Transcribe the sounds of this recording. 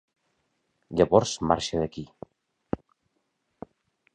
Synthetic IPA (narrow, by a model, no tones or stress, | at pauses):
ʎaβɔɾzma̰ɾʃeðəki